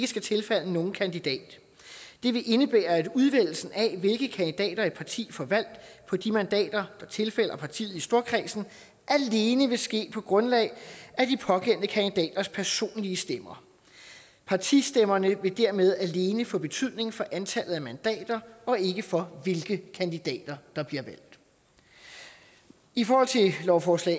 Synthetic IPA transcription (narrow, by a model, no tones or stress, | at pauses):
ɡ̥əsɡ̥æt͡sʰe̝lfæl̰əno̝ːn̩kʰænd̥id̥ɛ̰ːd̥ː | e̝ʋe̝ʔe̝nəb̥eːɐæd̥uð̞ˠʋel̰l̩sn̩æʋe̝lɡ̥ð̩kʰænd̥id̥ɛ̰ːd̥ɐæpʰɑ̈t͡sʰḭːfɒ̽ʋæl̰d̥pʰɒ̽d̥imænd̥ɛ̰ːd̥ɐd̥ɑ̈t͡sʰe̝lfel̰ɐpʰɑ̈t͡sʰḭːð̩ˠisd̥o̝ɐkʰʁiːsn̩ | ʔæle̝ːnəʋe̝sɡ̥e̝̰ːpʰɒ̽ɡ̥ʁɔ̽nlɛ̰ɪʔæd̥ipʰɒ̽ɡ̥ʰen̰d̥əkʰænd̥id̥ɛ̰ːd̥ɐspʰæɐso̝̰ːnliəsd̥emɐ | pʰɑ̈t͡sʰisd̥emɐnəʋe̝d̥æɐmeð̞ˠæle̝ːnəfɔ̽b̥e̝t͡sʰyð̰ˠne̝ŋfɒ̽ʔænt͡sʰæl̰ð̩ˠæmænd̥ɛ̰ːd̥ɐɒ̽e̝ɡ̥əfɒ̽ʋe̝lɡ̥əkʰænd̥id̥ɛ̰ːd̥ɐd̥ɑ̈b̥liɐʋæl̰d̥ | ifɒːhɒ̽l̰t͡sʰe̝lɒʊfɒːslɛ̰ɪ